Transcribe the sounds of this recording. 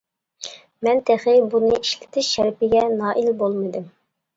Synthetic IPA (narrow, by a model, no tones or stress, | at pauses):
mɛnt̪ʰæχɪbunɨiʃlɪ̥t̪ʰɪʃʃɛɾpɪɡʲɛnɑːʔilbolˠmɨd̪ɨm